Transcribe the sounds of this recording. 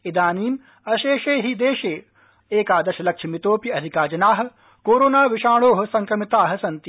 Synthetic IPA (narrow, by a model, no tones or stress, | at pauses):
id̪aːniːm | ɐʃeːʃeːɦid̪eːʃeː | eːkaːd̪ɐʃɐlɐkʂʰɐmit̪oːpjɐɐd̪ʱikaːd͡ʒɐnaːɦɐ̆ | koːɾoːnaːʋiʃaːɭoːɦɐ̆sɐ̃ŋkɾɐmit̪aːɦɐ̆sɐnt̪i